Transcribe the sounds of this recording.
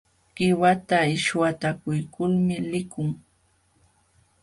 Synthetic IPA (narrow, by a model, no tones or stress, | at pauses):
ɢ̥ɪwat̪aɪʃwat̪akʊjkʊlmɪlɪkʊŋ